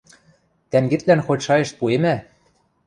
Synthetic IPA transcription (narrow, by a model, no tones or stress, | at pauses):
t̪æŋɡĕt̪lænxot͡ɕʃɑjĕʃpuemæ